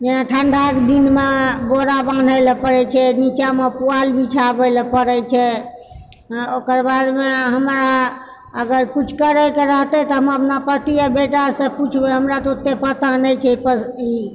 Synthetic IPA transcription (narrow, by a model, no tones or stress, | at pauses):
d͡ʒenaʈʰəɳɖʱakd̪inmeboɾaban̤ʱəlpəɾɛt͡ʃʰɛnit͡ʃamepualbʱit͡ʃʰabəlepəɾɛt͡ʃʰɛ | okəɾbad̪meɦəmɾa | əɡəɾkut͡ʃʰkəɾəkeɾəɦt̪ɛt̪ɔɦəməpnapət̪ijəbeʈasə̃put͡ʃʰbeɦəmɾat̪ɔt̪ːepət̪anɛjt͡ʃʰɛipəi